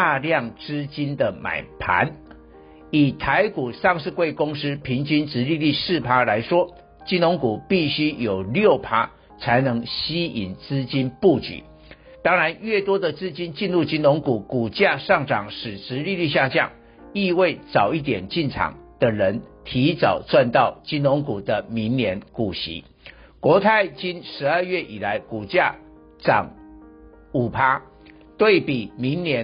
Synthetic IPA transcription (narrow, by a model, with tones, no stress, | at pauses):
a˥˧ljɑ˥˩ŋʈ͡ʂɻ̩˥t͡ɕi˥nd̪ə˨ma̰˨˩ɪpʰa̰˧˦n | i˨˩t̪ʰa˧˦ɪku˨˩ʂɑ˥˧ŋʂɻ̩˥˧kwe˥˩ɪkʊ˥ŋʂɻ̩˥pʰi˧˥ŋt͡ɕi˥nt͡sɻ̩˧˥˦li˥˧li˥˧sɹ̩˥˩pʰa˥la˧˥ɪʂwɔ˥˦ | t͡ɕi˥nlo˧˥ŋku˨˩pi˥˩ɕy˥jo˨˩ʊljo˥˩ʊpʰa˥ | t͡sʰa˧˥ɪnɤ˧˥ŋɕi˥i˨˩nt͡sɹ̩˥t͡ɕi˥npu˥˩t͡ɕy̰˨˩˦ | t̪ɑ˥ŋɻa˧˦nɥɛ˥˩t̪wɔ˥d̪ə˨t͡sɹ̩˥t͡ɕi˥nt͡ɕi˥˧nlu˥˨t͡ɕi˥nlo˧˥ŋku˨˩ku˨˩t͡ɕja˥˧ʂɑ˥˩ŋʈ͡ʂɑ˨˩ŋʂɻ̩˨˩ʈ͡ʂɻ̩˧˦li˥˧ly˥˧ɕ̬ja˥˧t͡ɕjɑ̰˥˩ŋ | i˥˧we˥˩ɪt͡sɑ˨˩ʊi˥˩t̪̬jɛ˨˩nt͡ɕi˥˩nʈ͡ʂʰɑ̰˨˩ŋd̪ə˦ɻə˧˦˥nt̪ʰi˧˥t͡sɑ˨˩ʊt͡swa˥˧nt̪ɑ˥˩ʊt͡ɕi˥nlo˧˥ŋku˨˩d̪ə˦mi˧˥ŋnjɛ˧˥nku˨˩ɕḭ˧˥ | kwɔ˧˥t̪ʰa˥˩ɪt͡ɕi˥nʂɻ̩˧˥ə˞˥˧ɥɛ˥˩ʔi˨˩la˨˧˦ɪku˨˩t͡ɕja˥˩ | ʈ͡ʂɑ̰˨˩ŋ | u˨˩pʰa˥ | t̪we˥˩ɪpi˨˩mi˧˥ŋnjɛ˧˥